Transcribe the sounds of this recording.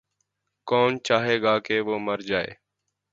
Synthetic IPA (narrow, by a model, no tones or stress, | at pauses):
koːnt͡ʃaːɦeːɠaːkeːʋoːməɾd͡ʒaːḛː